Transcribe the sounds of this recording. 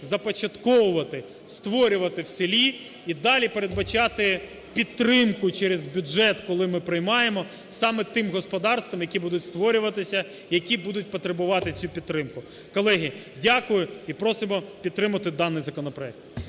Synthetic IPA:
zɐpɔt͡ʃɐt̪kɔʋʊʋɐt̪ɪ | st̪ʋɔɾʲʊʋɐt̪ɪwsɪlʲi | id̪ɑlʲipeɾed̪̚bɐt͡ʃɑt̪ɪ | pʲit̪ːɾɪmkʊt͡ʃɛɾezbʲud͡ʒɛt̪kɔlˠɪmɪpɾɪjmɑjemɔ | sɑmɛt̪ɪmɦɔspɔd̪ɑrst̪ʋɐmjɐkʲibud̪ʊtʲst̪ʋɔɾʲʊʋɐt̪ɪsʲɐ | jɐkʲibud̪ʊt̚ʲpɔt̪ɾebʊʋɑt̪ɪt͡sʲupʲid̪̚t̪ːɾɪmkʊ | kɔlˠɛɦʲi | dʲakʊjʊipɾɔsɪmɔpʲid̪̚ɾɪmɐt̪ɪd̪ɑnːɪjzɐkɔnɔpɾɔɛk̚t̪

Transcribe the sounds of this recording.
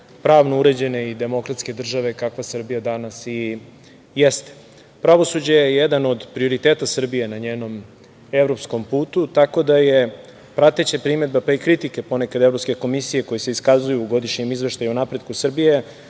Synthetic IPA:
pɾaːʋno̞uɾe̞d͡ʑe̞ne̞id̪e̞mo̞kɾat̪ske̞d̪r̩ʒaʋe̞kakʋasr̩bijad̪anasi | jest̪e̥ | pɾaʋo̞sud͡ʑe̞jejed̪ano̞d̪pɾio̞ɾit̪eːt̪asr̩bije̞naɲeːno̞m | evɾo̞psko̞mpuːt̪ut̪ako̞d̪aje̞ | pɾat̪et͡ɕepɾime̞d̪̚bapaikɾit̪ike̞po̞ne̞kad̪e̞vɾo̞pske̞ko̞misije̞ko̞jeseiskazujuːɡo̞d̪iʃɲemizʋe̞ʃt̪ajunapɾe̞d̪kusr̩bije̞

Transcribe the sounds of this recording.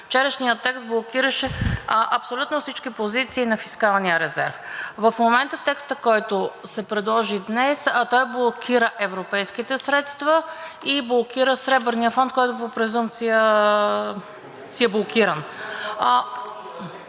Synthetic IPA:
ft͡ʃɛɾəʃnijət̪ːɛkst̪̚blˠokiɾəʃɛʔɐpsolʲut̪nofsit͡ʃkipozit̪siːnɐfiskalˠnijəɾɛzɛ̰ɾfvəfmomɛnt̪ət̪ɛkst̪əkɔjt̪osɛpɾɛd̪lˠɔʒid̪nɛst̪ɔjblˠokʰiɾəʔɛvɾopɛjskit̪ɛsɾɛt̪st̪vəiblˠokiɾəsɾɛbəɾnijəfɔnt̪̚kɔjt̪ʊpopɾɛzumt̪sijə | siɛblˠokiɾən

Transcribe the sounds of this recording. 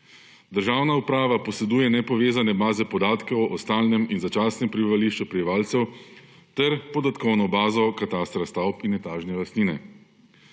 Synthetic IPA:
d̪əɾʒaːwnaupɾaːʋapɔsɛd̪uːjɛnɛpɔʋeːzanɛbaːzɛpɔd̪aːt̪kɔwʔɔst̪aːlnɛminzat͡ʃaːsnɛmpɾibiʋaliːʃt͡ʃupɾɛbiʋaːlt̪sɛw | t̪ɛɾpɔd̪at̪kɔwnɔbaːzɔkat̪ast̪ɾast̪awpinːɛt̪aːʒnɛlast̪niːnɛ̰

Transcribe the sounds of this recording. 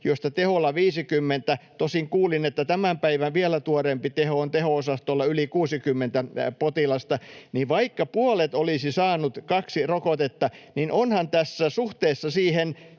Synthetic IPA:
jost̪ɑt̪eholːɑʋiːsikymːent̪æt̪osiŋkuːlinet̪ːæt̪æmæmpæiʋæʋʋiɛlæt̪uorempit̪ehoont̪ehoosɑst̪olːɑylikuːsikymːent̪æpot̪ilɑst̪ɑniʋʋɑikːɑpuolet̪olisisɑːnut̪kɑksirokot̪et̪ːɑninʔonhɑnt̪æsːæsuht̪eːsːɑsiːhen

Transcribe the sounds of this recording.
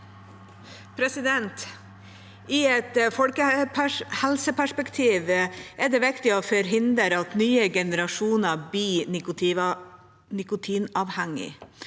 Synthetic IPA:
pʰɾɛsɪd̪ɛnt̪ | iɛt̪fɔlkəpʰhɛlsəpʰæʂpɛkt̪ʰiːʋʔɛɖ̪ɛːʋɪkt̪ɪoːfɔɾɦɪnd̪əɾɑt̪nyːəɡɛnəɾɑʂuːnəbiːnɪkʊ | nɪkʊt̪ʰiːnɑʋhæŋːɪ̰

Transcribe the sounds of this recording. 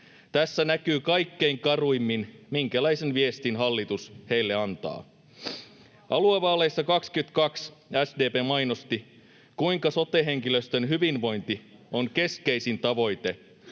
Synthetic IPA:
t̪æsːænækyːkɑjkːe̞iŋkɑruimːinmiŋkælæjsenʋiest̪inɦɑlːit̪ushe̞jlːe̞ɑnt̪ɑ̰ː | ʔɑlueʋɑːlˑe̞jsːɑkɑkskyt̪kɑksæsdeːpeːmɑjnost̪i | kuiŋkɑso̞t̪ːeɦe̞ŋkiløst̪ønɦyʋinʋo̞jnt̪io̞ŋke̞ske̞jsint̪ɑʋo̞jt̪e̞

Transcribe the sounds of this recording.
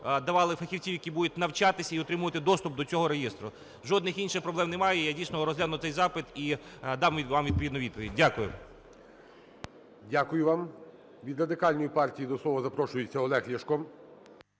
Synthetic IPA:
d̪ɐʋɑlˠɪfɐxʲiwt͡sʲiwjɐkʲibud̪ʊt̪̚ʲnɐwt͡ʃɑt̪ɪsʲɐiɔt̪ɾɪmʊʋɐt̪ɪd̪ɔst̪ʊp̚d̪ɔt͡sʲɔɦɔɾejist̪ɾʊ | ʒɔd̪nɪxinʃɪxpɾɔblˠɛmnemɑjɛjadʲijsʲnɔɾɔzʲlʲanʊt̪sɛjzɑpɪt̪id̪ɑmʲʋɑmʋʲid̪̚pɔid̪nɔʋʲid̪̚pɔʋʲḭd̚ʲdʲːakʊjʊ | dʲakʊjʊʋɑm | ʋʲid̪ɾɐd̪ɪkɑlʲnɔjipɑrtʲijid̪ɔslˠɔʋɐzɐpɾɔʃʊjɪt͡sʲːɐɔlˠɛxlʲiʃkɔm

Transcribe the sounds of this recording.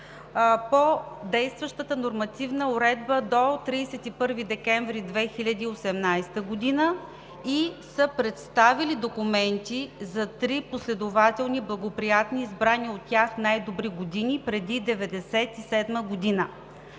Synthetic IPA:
pod̪ɛjst̪vəʃt̪ət̪ənoɾmɐt̪ivnəʊɾɛd̪bəd̪ot̪ɾiːsɛt̪ipɤɾvid̪ɛkɛɱvɾid̪vɛxilʲɐd̪iːosɛmnajst̪əɡod̪inə | isəpɾɛt̪st̪avilid̪okʊmɛnt̪izɐt̪ɾiposlɛd̪ʊvat̪ɛlˠniblˠɐɡopɾijat̪niːzbɾaniot̪ːʲaxnajd̪obɾiɡod̪inʲipɾɛd̪id̪ɛvɛd̪ɛsɛt̪isɛd̪məɡod̪inə

